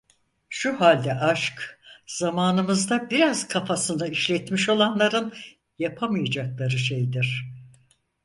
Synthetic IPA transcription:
ʃuɦalʲd̪ɛʔaʃkz̥amaːnɯmɯzd̪abiɾaz̥kʰafasɯnɯiʃlʲɛt̪miʃo̞lˠanlˠaɾɯn | japʰamɯjad͡ʒaklˠaɾɯʃe̞jd̪iɾ̥

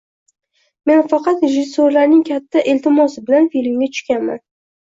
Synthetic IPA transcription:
me̞nfɑqɑt̪ɾeʒɪsːoɾlaɾnɪŋkʲʰat̪ʰːaʔelt̪ʰɪmɒsɪbɪlanfilɪmɡʲat̪ʰʊ̥ʃkʲanma̰n

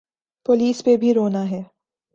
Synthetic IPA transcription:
poliːspebʱiɾoːnaɦɛː

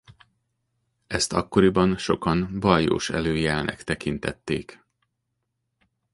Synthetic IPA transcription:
ɛst̪ɒkːo̞ɾibɒnʃo̞kɒnbɒjo̰ːʃɛ̰løːjɛlnɛ̰kt̪ɛkint̪ɛt̪ːeːk

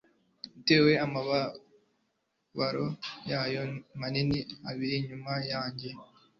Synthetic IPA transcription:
ite̞ːwe̞amaβa | βaɾojaːjo̞maniniaβiɾiɲumajaːɲɟe̞

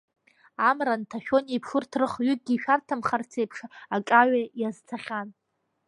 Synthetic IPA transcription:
amrantʰaʃʲᶣo̞nejpʰʂɨrtʰrɨχɥʏk̚ɡʲiːʃᶣartʰamχart͡sʰejpʰʂakʼaɥajazt͡sʰaχʲan

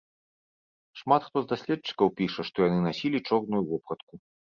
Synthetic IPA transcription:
ʂmat̪xt̪ɔzd̪asʲlʲɛtt͡ʂːɨ̥kɐwpʲiʂɐʂt̪ɔjanɨnasʲilʲit͡ʂɔrnujuvɔpɾɐt̪ku

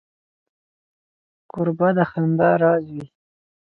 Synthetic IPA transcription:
kʊɾbad̪axand̪aɾɑzwi

